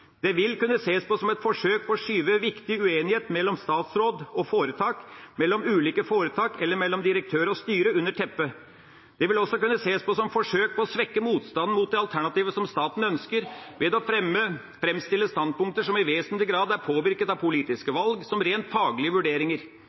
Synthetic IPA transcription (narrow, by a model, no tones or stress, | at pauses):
d̪̥ɛʋɪlkʉnːəseːspɔsɔmɛt̪fɔʂøːk̚pʰɔːʂyːʋəʋɪkt̪ɪʉeːnɪheːt̪mɛlːɔmst̪ɑːt̪sɾoːd̪ɔfoːɾət̪ʰɑːkmɛlːɔmʉːliːkəfoːɾət̪ʰɑːkɛlːəɾmɛlːɔmd̪ɪɾək̚t̪ʰøːɾəɔst̪yːɾəʉnːəʈʰɛpːə | d̪̥ɛʋɪlɔsːɔkʉnːəseːspɔsɔmfɔʂøːk̚pɔɔsʋɛkːəmuːt̪st̪ɑnn̩muːt̪̚d̪ɛɑlt̪ʰæɳɑt̪iːʋəsɔmst̪ɑːt̪n̩œnskəɾʋɛd̪ɔfɾɛmə | fɾɛmst̪ɪlːəst̪ɑnd̪̚pʊŋkt̪əʂɔmɪʋeːsənlɪɡɾɑːd̪æɾpʰoːʋɪɾkət̪ɑʋpʊliːt̪ɪskəʋɑlɡsɔmɾeːnt̪fɑːɡlɪəʋʉɖeːɾɪŋəɾ